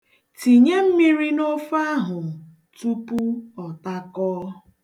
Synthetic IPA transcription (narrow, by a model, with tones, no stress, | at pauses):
ti˨ɲe˦m̩˦mi˦ɾi˦no˦fa˦ɦʊ˨ | tu˦pu˦ɔ˨ta˦kɔː˦